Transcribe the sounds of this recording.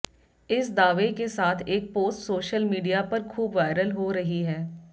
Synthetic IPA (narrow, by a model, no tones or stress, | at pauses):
ɪsd̪aːʋekesaːt̪ʰeːk̚poːsʈsoːʃəlmiːɖijapɐɾkʰuːbʋaːɪɾəlɦoɾɐɦiɦɛː